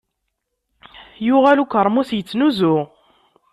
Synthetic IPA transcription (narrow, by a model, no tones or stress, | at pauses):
jʊʁælukʷːəɾˤmusjət͡sːnuzʊ